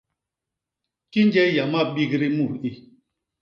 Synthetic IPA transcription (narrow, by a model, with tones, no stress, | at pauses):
ki˦n˦d͡ʒɛ˦ja˨ma˦˨ɓi˦ɣɾi˦mu˦˨ɾi˦